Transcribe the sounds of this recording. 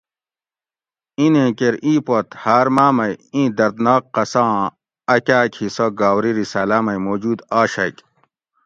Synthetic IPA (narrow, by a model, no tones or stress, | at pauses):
ĩnẽkeɾĩːpot̪haːɾmaːmɐjĩːd̪ɐɾd̪naːkːɐsãː | ɐkʲaːkʰisoɡaːwɾiɾisɐːlaːmɐjmoːd͡ʑuːd̪aːɕɐ̰k